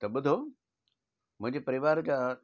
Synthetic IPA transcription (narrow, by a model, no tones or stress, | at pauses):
t̪ɐɓʊd̪ʱo | mʊ̃ɦɪ̃ɲd͡ʑepɐɾɪʋaːɾd͡ʑa